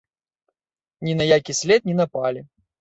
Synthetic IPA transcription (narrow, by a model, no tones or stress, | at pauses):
nʲinɐjakʲisʲlʲɛt̪̚nʲinɐpalʲi